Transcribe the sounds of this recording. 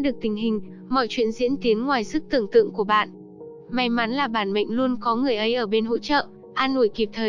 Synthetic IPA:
ɗɨ˨˩ək̚t̪ï˨˩ŋ̟ɦï˨˩ŋ̟ | mɔ̰˧˨jt͡ɕwḭ˧˨ənzḭ˧˥ənt̪i˨˦ənŋwaː˨˩jzɨ˦˥k̚t̪ɨ̰˧˨əŋt̪ɨ̰˧˨əŋku˧˩əɓa̰ː˧˨n | ma˨˦jma˨˦nlaː˨˩ɓaː˧˩nmə̰˧˨jŋ̟lu˧ənkɔ˨˦ŋɨ˨˩əjʔə˨˦jʔəː˧˩ɓe˧nho̰˧˥t͡ɕə̰ː˧˨ | ʔaː˧nʔṵ˧˩˨jki˨˩p̚t̪ʰəː˨˩

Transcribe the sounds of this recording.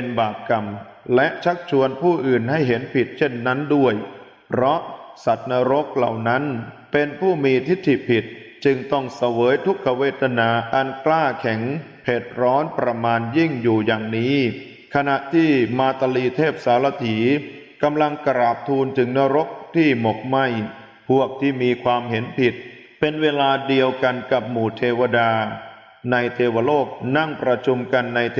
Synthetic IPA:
pe˧nbaː˨˩p̚ka˨˩m | lɛ˦˥ʔt͡ɕʰa˦˥k̚t͡ɕʰu˧ənpʰuː˥˩ʔɯː˨˩nɦa˥˩jɦe˩˦npʰi˨˩t̪̚t͡ɕʰe˥˩nːa˦˥ndu˥˩əj | pʰɾɔ˦˥ʔsa˨˩t̪̚naː˧˥ɾo˦˥k̚la̰˨˩wna˦˥npe˧npʰuː˥˩miː˧t̪ʰi˦˥˩t̪ʰːi˨˩pʰi˨˩t̪̚ | t͡ɕɯ˧ŋt̪ɔ˥˩ŋsa˧wɤː˩˦jt̪ʰu˦˥kʰːa˧weː˦˥˩t̪ʰa˧naː˧ʔa˧nklaː˥˩kʰɛ˩˦ŋ | pʰeː˨˩t̪̚ɾɔː˦˥npɾa˧maː˧nji˥˩ŋjuː˨˩jaː˨˩ŋniː˦˥ | kʰa˧na˨˩ʔt̪ʰiː˥˩maː˧t̪a˧liː˧t̪ʰeː˥˩p̚saː˩˦la˧t̪ʰiː˩˦ | ka˧mla˧ŋkɾaː˨˩p̚t̪ʰuː˧nt͡ɕɯ˨˧ŋna˦˧ɾo˦˥k̚t̪ʰiː˥˩mo˨˩k̚ma˥˩j | pʰu˥˩ək̚t̪ʰiː˥˩miː˧kʰwaː˧mɦe˩˦npʰi˨˩t̪̚ | pe˧nweː˧laː˧di˧əwka˧nka˨˩p̚muː˨˩t̪ʰeː˧wa˧daː˧ | na˧jt̪ʰeː˧wa˧loː˥˩k̚na˥˩ŋpɾa˧t͡ɕʰu˧mka˧nːa˧jt̪ʰ

